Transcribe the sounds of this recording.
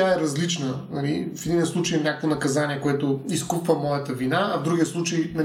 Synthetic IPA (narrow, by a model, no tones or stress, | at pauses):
aɛɾɐzlit͡ʃnənɐlifɛd̪inʲəslˠut͡ʃɐjɛnʲakvonɐkɐzanʲiɛkoɛt̪oiskupvəmɔjɐt̪əvinaːvd̪ɾuɡiəslˠut͡ʃɐjmɛ